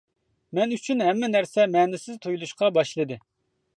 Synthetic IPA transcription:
mɛnyt͡ʃʰynɦɛmːɛnæɾsɛmɛːnɪsɪzt̪ʰojlˠuʃqɑbɑʃlˠɨd̪ɨ

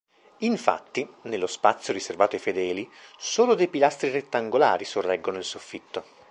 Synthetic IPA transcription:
iɱfa̰t̪ːinelːospat̪sːjoɾiservaːt̪oafed̪ɛːlisoːlod̪ejpilast̪ɾiret̪ːaŋɡola̰ːɾisorːɛɡːonoilsofːit̪ːo

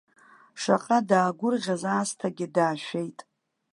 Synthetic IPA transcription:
ʂa̰qʼadaːɡʷʊrʁʲazaːstʰaɡʲɪdaːʃᶣe̞jtʼ

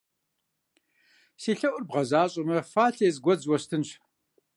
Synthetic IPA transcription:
siːɬɐʔʷʊrbʁɐzaːɕʼɐmɐfaːɬeːzɡʷɔd͡zwɔɕtʰɨnɕ

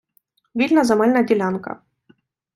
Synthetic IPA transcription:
ʋʲilʲnɐzɐmɛlʲnɐdʲilʲankɐ̰

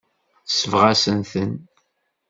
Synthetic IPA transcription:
θsəvʁæsənθən

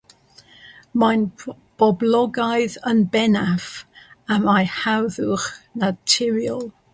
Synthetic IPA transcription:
majn | b̥ɔblɔɡajðənbɛnafamajhawðʊχnatʰɪɾiɔlˠ

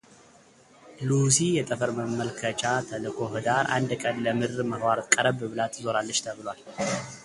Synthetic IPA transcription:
lusijɛt̪ʼəfəɾməmːəlkʰət͡ʃʼat̪ʰəlɨkʰo̞ɦɨd̪aɾʔa̰nd̪kʼənləmɨɾməhwaɾɨt̪ʼkʼəɾəbɨβɨlat̪ʰɨzo̞ɾalːət͡ʃt̪ʰəβɨlwal

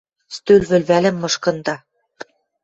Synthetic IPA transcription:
st̪ølβɘ̆lβælɘ̆mːɤ̆ʃkɤ̆nd̪ɑ

